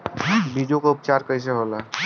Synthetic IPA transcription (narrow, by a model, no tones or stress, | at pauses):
biɖijokaʊp̚t͡ʃaːɾkəjs̬eɦola